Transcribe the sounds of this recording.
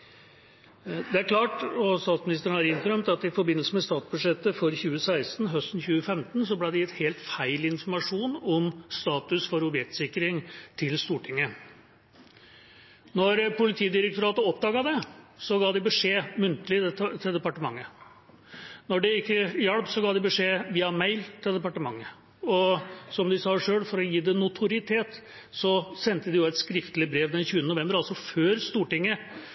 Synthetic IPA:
d̪ɛæɾkʰlɑːʈɔst̪ɑːt̪smɪnɪst̪əɳ̩æːɾɪnt̪əɾœmt̪ɑt̪ɪfɔɾbɪnːəlsəmɛst̪ɑːt̪sbʉdʂɛt̪ːəfɔɾçʉːəsæɪst̪n̩ɦœst̪n̩çʉːəfɛmt̪n̩s̬ɔblæɪd̪ɛjɪt̪heːlt̪fæɪlɪnfɔɾmɑʂuːnɔmst̪ɑːt̪ʉsfɔɾɔbjɛk̚t̪sɪkːəɾɪŋt̪ʰɪlst̪uːʈʰɪŋːə | nɔɾpʊlɪt̪ʰiːd̪ɪɾək̚t̪ʊɾɑːt̪əɔpːd̪ɑːɡɑd̪ɛsɔɡɑːd̪ɪbəʂeːmʉnt̪əlɪd̪ɛt̪ʰɪld̪ɛpɑʈəmɑŋːə | nɔɖɛɪkːəjɑɽpsɔɡɑːd̪ɪbəʂeːʋiːɑmæɪlt̪ʰɪld̪ɛpɑʈəmɑŋːə | ɔsɔmd̪ɪsɑːʂøːɽfɔɾɔjiːd̪ɛnʊt̪ʰʊɾɪt̪ʰeːt̪ | sɔsɛnt̪əd̪ɪjʊɛt̪skɾɪft̪lɪbɾeːʋd̪ɛnçʉːənənʊʋɛmbəɾɑlsɔføːɾst̪uːʈɪŋːə

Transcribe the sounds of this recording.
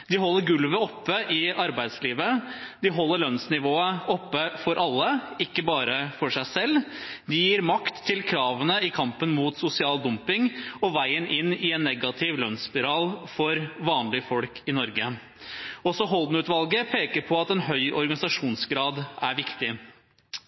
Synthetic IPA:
d̪ɪɦɔlːəɾɡʉlʋəɔpːəʔɪɑɾbæɪd̪sliːʋəd̪ɪɦɔlːəɭœnsnɪʋoːəʔɔpːəfɔɾʔɑlːəɪkːəbɑːɾəfɔʂæɪsɛlːd̪ɪjiːɾmɑkt̪ʰːɪlkʰɾɑːʋənəɪkʰɑmpənmut̪sʊsɪɑːld̪ʊmpɪŋɔʋæɪənʔɪnːɪɛnːɛɡɑt̪ʰɪʋlœnspɪɾɑːlfɔɾʋɑːnlɪfɔlkʰɪnɔɾɡə | ɔsɔɦɔld̪n̩ʉːt̪ʋɑlɡəpʰeːkəɾpʰɔɑt̪ɛnɦœʏʔɔɾɡɑnɪsɑʂuːnsɡɾɑːd̪æɾʋɪkt̪ɪ

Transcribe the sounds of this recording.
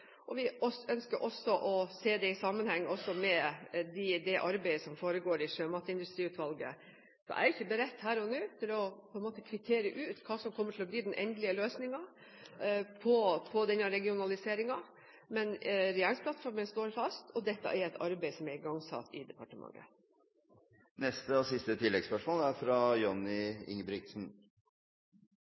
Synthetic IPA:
ʔɔʋɪɔœnskəɾʔɔsːɔʔɔseːd̪ɛɪsɑmːənhɛŋːəɔsːɔmɛd̪ɪd̪ɛʔɑɾbæɪəsɔmfoːɾəɡoːɾɪʂøːmɑt̪ːəɪnd̪ʉst̪ɾiːʉːt̪ʋɑlɡə̰ | sɔ̰mʔæ̰ɾɪçəbəɾɛt̪ːhæːɾɔnʉːt̪ʰɪlɔpʰɔɛnmoːt̪əkʰʋɪt̪ʰeːɾəʔʉːt̪kʰɑːsɔmkʰɔmːəʈʰɪlɔbliːd̪ɛnʔɛnd̪lɪəløːsnɪŋɑ | pʰɔpʰɔd̪ɛnːɑɾɛɡɪʊnɑlɪseːɾɪŋɑ | mɛnɾɛjæːɳspʰlɑt̪fɔɾmənst̪oːɾfɑst̪ʰɔd̪ɛt̪ːɑ̰ʔæɾɛt̪ʰɑɾbeɪsɔmæɾɪɡɑŋsɑ̰t̪ːɪd̪ɛpʰɑʈəmɑ̰ŋːə̰ | nɛst̪əɔsɪst̪ət̪ʰɪlːɛɡspœʂmoːlæɾfɾɑjɔnɪɪ̰ŋbɾɪk̚t̪sn̩

